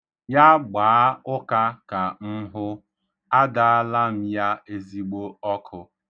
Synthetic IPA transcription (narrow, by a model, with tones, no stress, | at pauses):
ja˦ɡ͡baː˨˦ʊ˦ka˦ka˨m̩˦ɦʊ˦ | a˦da˦a˦la˦m̩˦ja˦e˦zi˦ɡ͡bo˦ɔ˦kʰʊ˨